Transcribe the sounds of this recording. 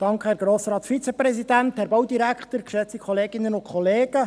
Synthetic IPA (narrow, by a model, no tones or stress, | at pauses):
d̥ɑŋkχəhɛɾɡ̥ɾoːsɾɑːtfit͡sepɾɛsid̥̪ænt̪hɛɾbɑwdiɾækχt̪əɾkʃɛt͡sikʰχɔleːɡɪnənʊkʰχɔleːɡ̥ə